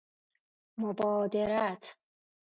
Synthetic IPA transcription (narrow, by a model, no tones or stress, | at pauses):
mobɒːd̪eɾat̪ʰ